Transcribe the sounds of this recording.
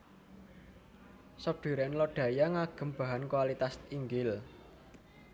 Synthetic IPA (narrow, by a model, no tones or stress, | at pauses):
sɔp̚ɖ̪̥i̤ɾɛnlɔɖ̥ä̤jaŋaɡ̥ə̤mb̥a̤ɦankwalit̪asiŋɡɪl